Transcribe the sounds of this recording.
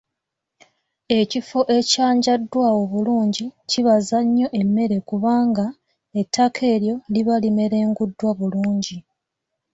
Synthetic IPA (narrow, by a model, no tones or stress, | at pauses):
e̞cifo̞ʔe̞caːɲɟadːwao̞βuluːɲɟiciβazaɲːo̞ʔe̞mːe̞ɾe̞kuβaːŋɡa | etʰːakʰe̞ːɾjo̞liβalime̞ɾe̞ːŋɡudːwaβuluːɲɟi